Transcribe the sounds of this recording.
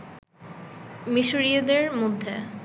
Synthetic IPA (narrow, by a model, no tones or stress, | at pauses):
miʃuɾiod̪eɾmod̪ʱːe